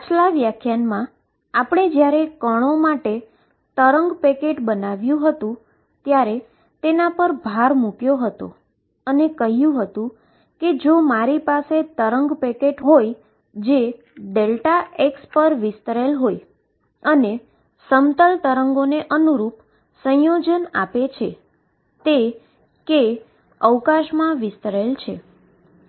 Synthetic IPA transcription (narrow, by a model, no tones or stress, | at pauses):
at͡ʃlaʋjakʰjanmã | apɽ̃ed͡ʒjaɾekəɳ̃omaʈe | t̪əɾəŋɡpekeʈbənaʋjũɦət̪ũ | t̪jaɾe | t̪enapəɾbʱaɾmukjoɦət̪o̰ | ənekəɦjũɦət̪ũ | ked͡ʒomaɾipaset̪əɾəŋɡpekeʈɦoj | d͡ʒe | ɖelʈaekspəɾʋɪst̪əɾelɦoj | əne | səmt̪əlt̪əɾəŋɡoneʔənuɾup | sə̃jod͡ʒənapet͡ʃʰe | t̪e | ke | əʋkaʃmãʋɪst̪əɾelt͡ʃʰe